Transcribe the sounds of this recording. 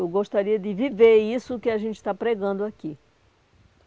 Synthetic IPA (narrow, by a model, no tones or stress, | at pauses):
ewɡoʃt̪aɾiɐd̪ɪviveisʊkɪaʒẽnt͡ʃ̪ɪ̥t̪apɾeɡɐ̃nd̪ʊaki